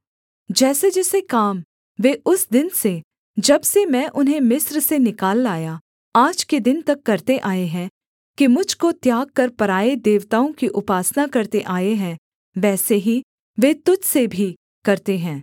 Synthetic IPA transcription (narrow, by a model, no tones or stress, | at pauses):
d͡ʒɛːsed͡ʒɛːsekaːm | ʋeʔʊsd̪ɪnse | d͡ʒɐbsemɛ̃ːʔʊnɦẽmɪsɾsenɪkaːlːaːja | aːd͡ʒked̪ɪnt̪ɐkːɐɾt̪eʔaːeɦɛ̃ | kimʊd͡ʒʱkot̪jaːɡ̚kɐɾpɐɾaːed̪eːʋt̪aːõkiʔʊpaːsnakɐɾt̪eʔaːeɦɛ̃ | ʋɛːseɦi | ʋet̪ʊd͡ʒʱsebʱi | kɐɾt̪eɦɛ̃ː